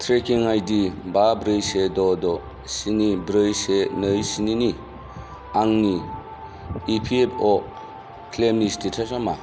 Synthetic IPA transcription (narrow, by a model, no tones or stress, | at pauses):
tʰɾekiŋajdibabɾɯjsedɔdɔ | sinibɾɯjsenɯjsinini | aŋni | ipʰiepʰɔ | kʰlemistitʰasama